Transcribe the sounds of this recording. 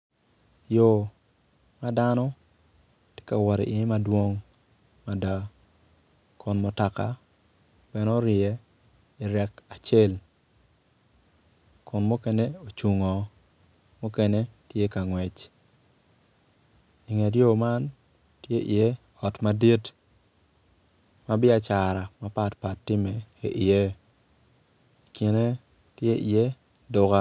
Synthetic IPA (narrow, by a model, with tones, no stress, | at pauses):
jo˨ | ma˦danɔ˦ | tje̥˦ka˨wɔ˨ɾḭ˨ʔi˨e˦madwo˦ŋma˨da˨ | kʊ˨nmo˨ta˨ka̰˨ | bɛ˦nɔ˦ɾɪ˨ɛ˨i˨ɾɛ˦ka˨t͡ʃe˦l | kʊ˨nmo˦kɛ˦ne˦o˨t͡ʃu˨ŋɔ˨ | mo˦kɛ˦ne˦tje˦ka˨ŋwɛ˨t͡ʃ | i˨ŋe˨djo˦ma˦ntje˦ʔi˨je˦ɔ˨tmadi˦t | ma˦bɪ˦a˨t͡ʃa˨ɾa˨ma˦pa˦˨tpa˨tːɪ˦me˨e˨ʔɪ˨e˦˨ | ki˨ne˦tje˦ʔi˨je˦dʊ˨ka˦